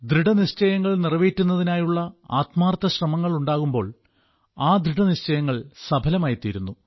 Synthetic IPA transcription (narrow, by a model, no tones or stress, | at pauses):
d̪riɖɐniɕt͡ɕɐjɐŋːɐɭnirɐʋiːtːunːɐðinaːjuɭːɐa̰ːt̪maːrt̪ːɐɕrɐmɐŋːɐɭuɳɖaːɣumbo̞ːɭ | aːd̪ɾiɽɐniɕt͡ɕɐjɐŋːɐɭsɐbʱɐlɐmaːjit̪ːijɾunːu